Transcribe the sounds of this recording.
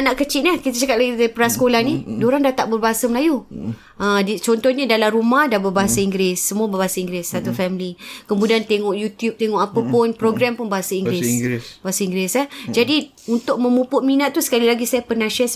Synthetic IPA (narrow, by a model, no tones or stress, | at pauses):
anaʔkət͡ʃiʔ̪nakit̪at͡ʃakat̪̚laɡit̪aipəɾasə̥kolahnidoɾaŋdat̪aʔ̚bərbaɦasaməlaju | ədit͡ʃɔnt̪ɔhɲadalaɾumahdahbəbaɦasaiŋɡɾɪsːəmuabəbaɦasaiŋɡɾɪsːat̪ufɛmlikəmudiant̪eŋɔʔjut̪jup̚t̪eŋɔʔapəpʊnpɾoɡɾampʊnbaɦasaiŋɡɾɪsbaɦasaiŋɡɾɪsəd͡ʒadi | unt̪ʊʔ̚mə̃mupʊʔminat̪ːusə̥kalilaɡisajapənaʃas